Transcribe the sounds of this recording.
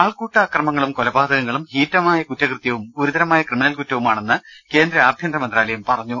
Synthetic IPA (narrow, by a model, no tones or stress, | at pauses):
aːɭkuːʈːɐːkrɐmɐŋːɐɭumkolɐbaːd̪ɐɣɐŋːɐɭumhiːtːɐmaːjɐkutːɐkrɨt̪jɐʋumoɾud̪ɐɾɐmaːjɐkrɨminɐlkutːɐʋumaːɳe̞nːɨke̞ːnd̪ɾɐaːb̪ʱjɐnd̪ɾɐmɐnd̪raːlɐjumpɐrɐɲːu